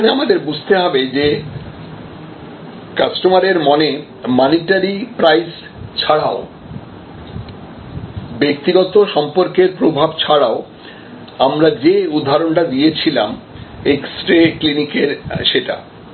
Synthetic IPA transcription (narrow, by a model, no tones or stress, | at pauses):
neamad̪eɾbud͡ʑʱt̪eɦɔbed͡ʑe | kasʈomaɾeɾmɔne | mɔniʈaɾipɾajs | t͡ɕʰaɽao | bek̚t̪iɡɔt̪oʃɔmpoɾkeɾpɾobʱabt͡ɕʰaɽao | amɾad͡ʑeud̪ʱːaɾonʈad̪ijet͡ɕʰila̰m | eksʈɾeklinikeɾʃeʈa̰